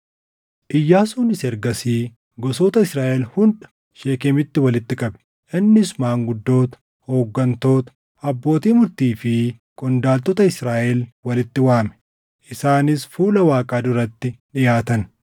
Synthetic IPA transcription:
ʔɪjːaːsuːnɪsɛɾɡɐsiː | ɡɔsoːt̪ɐɪsɾaːʔɛlhʊnᶑɐ̥ | ʃeːkeːmɪt̪ːɪwɐlɪt̪ːɪkʼɐbɛ̥ | ʔɪnːɪsʊmaːŋɡʊd̪ːo̞ːt̪ɐ̥ | ho̞ːɡːɐnt̪o̞ːt̪ɐ̥ | ɐbːo̞ːt̪iːmʊɾt̪iːfɪkʼɔnd̪aːlt̪ʼɔt̪ɐɪsɾaːʔɛlwɐlɪt̪ːɪwaːmɛ̥ | ʔɪsaːnɪsfuːlɐwaːkʼaːd̪ʊɾɐt̪ːɪᶑɪjaːt̪ɐn

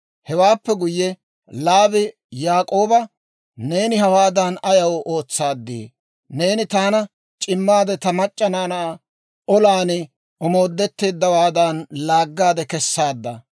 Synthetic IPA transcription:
hɛwaːpːɛɡʊjːɛ | laːbɪ | jaːkʼo̞ːbɐ | ne̞ːnɪɦɐwaːd̪ɐnɐjɐwʔo̞ːt͡sːaːd̪ːḛ | ne̞ːnɪt̪aːnɐ | t͡ʃʼɪmːaːd̪ɛt̪ɐmɐt͡ʃʼːɐnaːnɐ | ɔlaːnɪ | ʔɔmo̞ːd̪ːɛt̪ːeːd̪ːɐwaːd̪anlaːɡːaːd̪ɛkɛsːaːd̪ːɐ

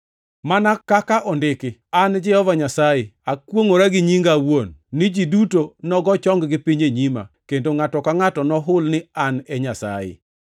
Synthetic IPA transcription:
manakakaʔɔndɪkɪand͡ʒɛhɔvaɲasajɪakwoŋoɾaɡɪɲiŋɡawonːɪd͡ʒidutonɔɡɔt͡ʃɔŋɡɡɪpiɲeɲima̰kendoŋatɔkaŋatɔnɔɦʊlnɪanɛɲasa̰jɪ̰

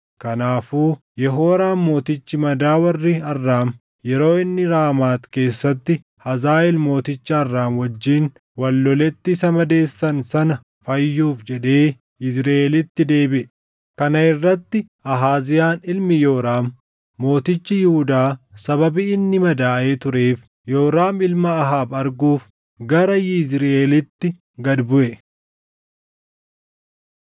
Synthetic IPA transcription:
kɐnaːfuː | jɛɦoːɾaːmmo̞ːt̪ɪt͡ʃːɪmɐd̪aːwɐrːɪɐrːaːm | jɛɾo̞ːɪnːɪɾaːmaːt̪ke̞ːsːɐt̪ːɪ | hɐzaːɛlmo̞ːt̪ɪt͡ʃːɐːrːaːmwɐd͡ʒːiːn | wɐlːɔlɛt̪ːɪːsɐmɐd̪e̞ːsːɐnsɐnɐ | fɐjːuːfd͡ʒɛᶑe̞ː | ɪsɾɐelɪt̪ːɪd̪e̞ːbɪʔɛ | kɐnɐɪrːɐt̪ːɪʔɐɦaːzɪjaːnɪlmɪjo̞ːɾaːmː | o̞ːt̪ɪt͡ʃːɪjɪhʊd̪aːsɐbɐbiɪnːɪmɐd̪aːʔe̞ːt̪ʊɾeːf | jo̞ːɾaːmɪlmɐːɦaːbɐɾɡuːf | ɡɐɾɐjɪzɾʔeːlɪt̪ːɪ | ɡɐd̪bʊʔɛ

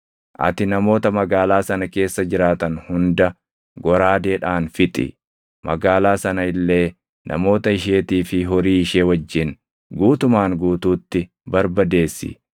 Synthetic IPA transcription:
ʔɐ̰t̪ɪnɐmo̞ːt̪ɐmɐɡaːlaːsɐnɐke̞ːsːɐd͡ʒɪɾaːt̪ɐnhʊnd̪ɐ | ɡɔɾaːd̪e̞ːᶑaːnfɪt̪ʼɪ̰ | mʔɐ̰ɡaːlaːsɐnɐɪlːe̞ː | nʔɐ̰mo̞ːt̪ɐɪʃ̬eːt̪iːfɪɦɔɾiːɪʃeːwɐd͡ʒːɪn | ɡuːt̪ʊmaːŋɡuːt̪uːt̪ːɪ | bɐɾbɐd̪e̞ːsːɪ̰

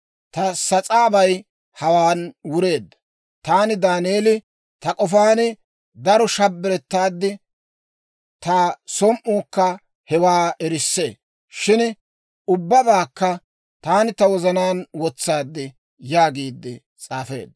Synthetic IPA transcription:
t̪ɐsɐt͡sʼaːbɐj | hɐwaːnwʊɾe̞ːd̪ːɐ̥ | t̪aːnɪd̪aːneːlɪ | t̪ɐkʼɔfaːnɪ | d̪ɐɾɔʃɐbːɪɾɛt̪ːaːd̪ːɪ | t̪ɐsɔmʔuːkːɐ | hɛwaːʔɛɾɪsːe̞ː | ʃɪn | ʊbːɐbaːkːɐ | t̪aːnɪt̪ɐwɔzɐnaːnwɔt͡sːaːd̪ːɪ | jaːɡiːd̪ːɪ | t͡sʼaːfe̞̰ːd̪ːɐ

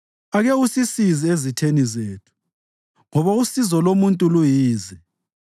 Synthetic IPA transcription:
aɣɛusisiziezitʰenizeːtʰu̥ | ŋɔβausizɔlomuntʼulujiːzɛ

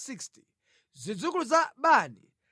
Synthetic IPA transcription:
siksti̥ | zʷid͡zuk̬uluzaɓaːnḭ

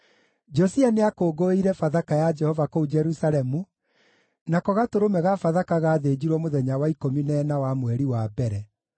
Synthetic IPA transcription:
d͡ʒɔsianeakoːɡoeiɾɛfaðakajad͡ʒɛhɔvakoud͡ʒɛɾusaɾɛmu | nakɔɣatoɾomɛɣafaðakaɣaːðed͡ʑiɾwɔmoðɛɲawaikominɛːnawamwɛɾiwabɛɾɛ

